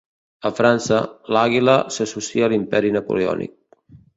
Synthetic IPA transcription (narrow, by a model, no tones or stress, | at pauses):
əfɾansəlaɣiləsəsusiəlimpɛɾinəpṵleɔ̰nḭk̚